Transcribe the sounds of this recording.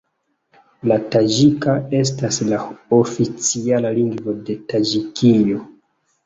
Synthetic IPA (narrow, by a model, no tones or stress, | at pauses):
latad͡ʒikae̞s̬taslaofit͡sialaliŋɡvo̞de̞tad͡ʒikʰijo̞